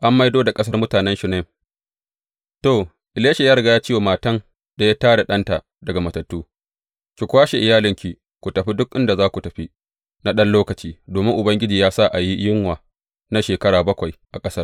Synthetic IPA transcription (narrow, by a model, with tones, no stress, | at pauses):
ʔa˦mːa˦jdoː˦da˨kʼɐ˦s̬ɐ˦rmʊ˦taː˨nɛ˦nʃʊ˨ne˦ | toː˨ | ʔɪ˨leː˦ʃe˨jaː˦ɾɐ˨ɡa˨˦jaː˦t͡ʃiː˦woː˨maː˨tɐ˦ŋ | da˨ja˦taː˦da˨ɗɐ˦nta˨ | dɐ˨ɡa˨mɐ˨tɐ˨tːuː˦ | kʲi˨kʷaː˦ʃe˨ʔɪ˨jaː˦lɪ˨ŋkʲi˨ | kʷu˨tɐ˨ɸi˦dʊ˦k̚ʔɪ˦nda˨zaː˦kʷu˨tɐ˨ɸi˦ | na˦ɗɐ˦nloː˦kɐ˨t͡ʃiː˦doː˨mɪ˦ŋʔʊ˨bɐ˦ŋɡʲɪ˦d͡ʒiː˨jaː˦sa˦ʔa˨ji˦jɪ˦ŋwaː˨ | na˦ʃeː˨kɐ˦ɽaː˨bɐ˦kʷa˨jʔa˨kʼɐ˦sɐ˦r